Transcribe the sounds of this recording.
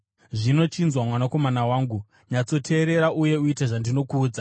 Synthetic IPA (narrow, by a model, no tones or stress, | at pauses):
ʐino̞t͡ʃinzwamwanako̞manawaːŋɡu | ɲat͡so̞tʰe̞ːɾe̞ɾaʔuje̞uiteʐandino̞kuːd͡za